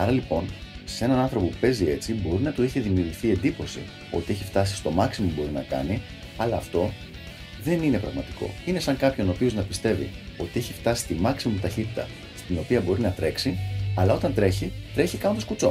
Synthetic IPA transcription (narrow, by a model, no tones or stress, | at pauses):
ɐɾɐlipo̞n | sse̞nɐnɐ̃nθɾo̞poupe̞zie̞t͡sibo̞ɾinɐt̪oiçeðimiuːʝiθie̞nd̪ipo̞sḭ | o̞t̪ie̞çift̪ɐsi̥st̪o̞mɐksimobo̞ɾinɐ̰kɐ̰ni | ɐlɐːft̪o̞ | ðe̞nine̞pɾɐɣmɐt̪i̥ko̞̰ine̞sɐŋkɐpço̞no̞pio̞znɐpist̪e̞vḭo̞t̪ie̞çift̪ɐsi̥t̪imɐksimut̪ɐçit̪it̪ɐ̰ | st̪ino̞piɐbo̞ɾinɐt̪ɾe̞ksiɐlɐo̞t̪ɐnt̪ɾe̞çit̪ɾe̞çikɐnposkut͡so